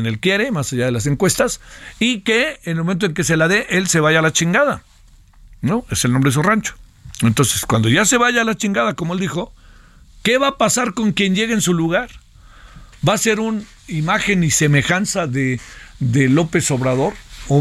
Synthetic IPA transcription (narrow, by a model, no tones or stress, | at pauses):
nelkje̞ɾe̞masaʝað̞e̞las̬e̞ŋkwe̞st̪asikeːnelmoment̪̬oeŋke̞s̬e̞laðe̞ʔe̞lse̞βaʝalat͡ʃiŋɡaða | noe̞selnombɾeesorant͡ʃo̥ent̪o̞nse̞skwand̪oʝase̞βaʝaːlat͡ʃiŋɡað̞ako̞moe̞ld̪ixo̞ | ke̞βaːpasaɾko̞ŋkje̞nʝe̞ɣeensuluɣaɾ | base̞ɾun | imaxe̞nise̞me̞xansaðeðelo̞pe̞so̞βɾaðo̞ɾo